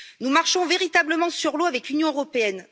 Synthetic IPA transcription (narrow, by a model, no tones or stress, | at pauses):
numaʁʃɔ̃veʁit̪abləmɑ̃syʁloavɛklynjɔ̃øʁɔpeɛn